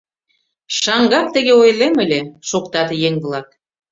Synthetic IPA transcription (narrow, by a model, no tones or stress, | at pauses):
ʃɑŋɡɑk̚t̪ə̆ɣeojlemə̆lʲeʃokt̪ɑt̪jeŋβlɑk̪